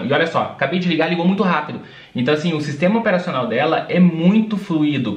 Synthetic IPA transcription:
ɪɔʎʲɐsɔ̰kabejd͡ʒɪliɡaɾliɡowmũj̃t̪ʊɦapid̪ʊ | ẽnt̪ɐ̃w̃asĩʊsist̪ẽmɐopeɾasionawd̪ɛlɐʔɛmũj̃t̪ʊfluid̪ʊ

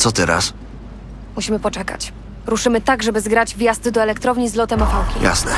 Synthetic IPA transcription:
t̪sɔt̪ɛɾa̰s | muɕimɘpɔt͡ʂɛka̰t͡ɕ | ɾuʂɘmɘt̪aɡʐɛbɘzɡɾad͡ʑvʲjazt̪ɘd̪ɔɛlɛkt̪ɾɔvɲizlɔt̪ɛmafawkʲija̰snɛ̰

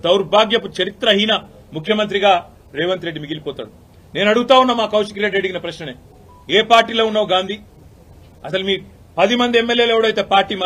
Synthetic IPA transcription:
d̪ɐwɾbʱaːɡjɐput͡ʃɐɾit̪ɾɐɦinɐ | mukʰjɐmɐnt̪ɾiɡaː | ɾeːʋɐnt̪ɾe̞ɖːimiɡilipɔːt̪a̰ːɽu | ne̞ːnɐɽuɡut̪aːunːaːmaːkɐwʃikiɾeɖieɖiɡinɐpɾɐʃnɐneː | eːpaːɾʈːiːloːunːaːʋɡaːnd̪ʱiː | ɐsɐlumiː | pɐd̪imɐnd̪iemːeljeːleʋɐɽɐjt̪eːpaːɾʈiːma

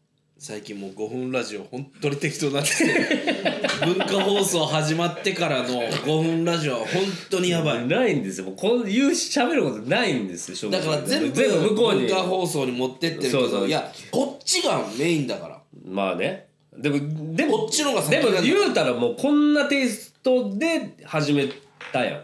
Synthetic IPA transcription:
saikʲĩmmoːɡo̞ɸɯ̟̃nɾaʑio̞hõ̞nt̪ːoɾʲit̪e̞kʲi̥t̪onakː | bɯ̟̃ŋkaɦo̞ːso̞ːɦaʑimat̪ːe̞kaɾano̞ɡo̞ɸɯ̟̃nɾaʑio̞βahõ̞nt̪o̞ɲ̟ijabainaĩnd̪e̞sɨjomoːkʰojɯːɕabe̞ɾɯ̟ko̞t̪onaĩnd̪e̞sɨoɕoːd̪akaɾazẽ̞mbzẽmɯmɯkoːɲikaɦo̞ːso̞ːɲ̟imo̞t̪ːe̞t̪ːeɾɯsoeːsoːjako̞t͡ɕːiɡame̞ːĩnd̪aka̰ɾa̰ma̰ːne | d̪e̞mod̪e̞mot͡ɕːiɾõɡasd̪e̞mojɯːt̪aɾamo̞ːkʰõ̞nːat̪e̞ːst̪o̞d̪e̞haʑime̞ | t̪ajã̰

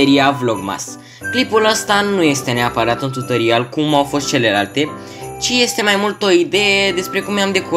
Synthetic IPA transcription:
eɾiavloɡma̰s | klipuləst̪anuje̞st̪e̞ne̞apəɾat̪ɨnt̪ut̪əɾialkumawfo̞st̪t͡ʃe̞le̞lalt̪e̞ | t͡ʃije̞st̪e̞majmult̪o̞id̪e̞jed̪e̞spɾe̞kumnjamd̪e̞ku

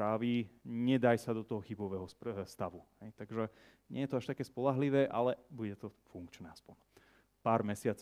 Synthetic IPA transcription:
ɾaːʋiɲɛd̪ajsad̪ɔt̪ɔɦɔxibɔʋɛɦɔsst̪aʋuɦɛjt̪aɡʒɛ | ɲɛjɛt̪ɔaʃt̪akɛːspɔlaɦliʋɛːʔa̰lɛbuɟɛt̪ɔfuŋkt͡ʃnɛːaspɔn | paːɾmɛsɪat͡s

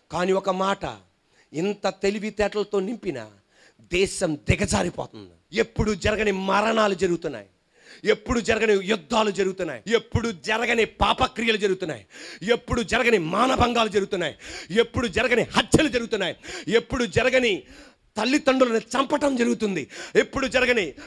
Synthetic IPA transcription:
kaːniɔkɐmaːʈɐ̰ | int̪ɐt̪elibit̪ɛːʈɐlɐt̪o̞ːnimpinɐ̰ | d̪ɛːʃɐmd̪ɪɡɐd͡ʒaːɾipɔ̰ːt̪und̪ḭe̞pːuɽud͡ʒɐɾɐɡɐnimɐɾɐɳaːlud͡ʒɐɾuɡut̪unːa̰ːji | epːuɽud͡ʒɐɾɐɡɐnejud̪ːaːlud͡ʒɐɾuɡut̪unːaːjiepːuɽud͡ʒɐɾɐɡɐnipaːpɐkɾijɐlud͡ʒɐɾuɡut̪unːa̰ːjie̞pːuɽud͡ʒɐɾɐɡɐnimaːnɐbʱɐŋɡaːlud͡ʒɐɾɡut̪unːaːjiepːuɽud͡ʒɐɾɐɡɐnihɐt͡ʃːjɐlud͡ʒɐɾɡut̪unːaːjie̞pːuɽud͡ʒɐɾɐɡɐni | t̪ɐlːit̪ɐɳɖulɐnit͡ʃɐmpɐʈɐmd͡ʒɐɾuɡut̪und̪ie̞pːuɽud͡ʒɐɾɐɡɐni

